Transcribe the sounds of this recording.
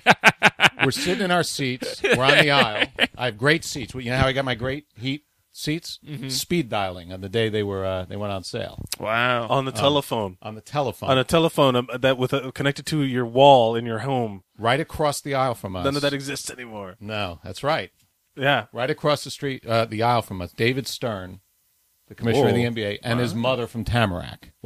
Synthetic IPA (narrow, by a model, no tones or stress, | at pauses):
wɨɹsɪɾɨ̃ñaʊə˞sitswɪɹə̃nðiaɪllˠʔaɪɨvɡɹeɪtsitswʌjɨnoʊhaʊaɡɑt̚maɪɡɹeɪt̚hit̚ | sitspidaɪlˠɪ̰̃ŋɨ̃nðɨdeɪðeɪwə˞ʌðeɪwɛ̃nn̩sḛɪlˠwaʊə̃nðɨtʰɛlˠəfõʊ̃nʔə̃nðɨtʰɛlˠəfõnɨtʰɛlˠəfõʊ̃nðɨt̚wɨðkʰɨnɛk̚tɨd̚tʰɨjə˞wɔlˠɪ̃njə˞ɦõʊ̃m | ɹaɪɾɨkʰɹ̥ɔsðiaɪlˠfɹʌ̃mʌʌ̃ɨðɨɾɨɡzɪstsɛnimɔɹnoʊðæ̰tsɹaɪt̚ | jæɹaɪɾɨkʰɹ̥ɔsðɨstɹ̥it̚ʌðiaɪlˠfɹʌ̃mʌsd̥eɪvɨd̥stɜ̃˞n | ðɨkʰəmɪʃʃnʌðiiɛ̃mbieɪʔɨ̃nɨzmʌðə˞fɹʌ̃mtʰæmə̰˞æ̰k